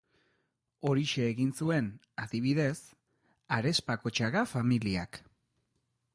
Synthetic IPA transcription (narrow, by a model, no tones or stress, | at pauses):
o̞ɾiʃe̞ːɣinsue̞n | aðiβ̞iðe̞s | aɾe̞spako̞t͡ʃaɣafamiliak